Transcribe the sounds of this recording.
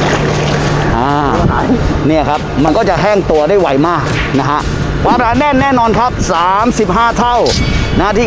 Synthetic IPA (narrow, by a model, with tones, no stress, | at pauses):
ʔaː˧ | ni˥˩ɐkʰa˦˥p̚ma˧nkɔː˥˩t͡ɕa˨˩ɦɛː˥˩ŋt̪u˧ɐdaː˥˩jwa˨˩˦jmaː˥˩k̚ | na˦˥kʰa˦˥ʔ | kʰwaː˧m˨aː˨˦nːɛː˥˩nnɛː˥˩nɔː˧nkʰa˦˥p̚saː˨˦msi˨˩p̚ɦaː˥˩t̪ʰa˥˩wna˦˥˩t̪ʰiː˥˩